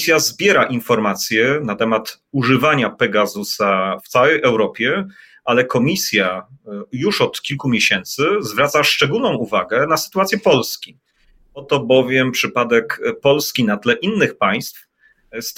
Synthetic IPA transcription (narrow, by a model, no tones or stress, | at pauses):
sʲjazbʲjɛɾaʔinfɔɾmat̪sʲjɛnat̪ɛmat̪ | uʐɘvaɲapɛɡazusaft̪sawɛjʔɛwɾɔpʲjɛ | ʔalɛkɔmʲisʲjajuʂɔt̪kʲilkumʲjeɕɛnt̪sɘzvɾat̪saʂt͡ʂɛɡulnɔ̃w̃uvaɡɛnasɘ̥t̪uwat̪sʲjɛpɔlskʲi | ɔt̪ɔbɔvʲjɛmpʂɘpad̪ɛkpɔlskʲinat̪lɛʔinːɘxpaj̃st̪f | st̪